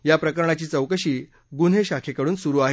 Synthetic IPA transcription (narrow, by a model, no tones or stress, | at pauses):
japɾəkəɾɳat͡ɕiːt͡səwkəɕiː | ɡunɦeɕakʰekəɽuːnsuɾuːaɦe